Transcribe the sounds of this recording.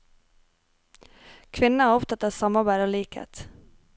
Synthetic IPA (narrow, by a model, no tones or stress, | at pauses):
kʰvɪnːaæɾɔft̪at̪asamːabæːɾɔliːkhḛːt̪